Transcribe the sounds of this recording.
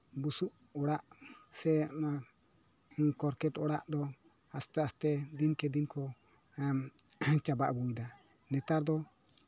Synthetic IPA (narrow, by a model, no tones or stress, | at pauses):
busuʔ | ɔɾaʔsɛma | kɔɾkɛtɔɾaʔd̪ɔ | ast̪ɛast̪ɛdinkɛd̪inkʰɔ | m | t͡ʃaba̰ʔbuid̪a | nɛt̪aɾd̪ɔ